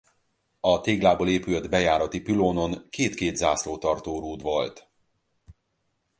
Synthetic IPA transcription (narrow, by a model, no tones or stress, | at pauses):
ɒt̪eːɡlaːboːleːpylɛd̪bɛjaːɾɒt̪ipiloːnoŋkeːt̪keːd̪zaːsloːt̪ɒrt̪oːɾuːd̪ʋɒlt̪